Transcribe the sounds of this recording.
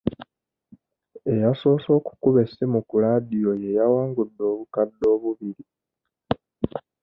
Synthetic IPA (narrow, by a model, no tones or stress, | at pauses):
e̞jaso̞ːso̞ːku̥kuβe̞semukulaːdijo̞je̞jawaːŋɡudːo̞ːβukadːo̞ːβuβiɾi